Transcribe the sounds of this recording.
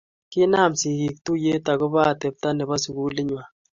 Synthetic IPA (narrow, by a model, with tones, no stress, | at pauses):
kɪ˦na˦˨msi˨ki˨k̚tu˦je˦ta˨ɣɔ˦ba˦˨tɛ˨p̚ta˦nɛ˨βa˦su˨ɣu˦li˦ɲwa˨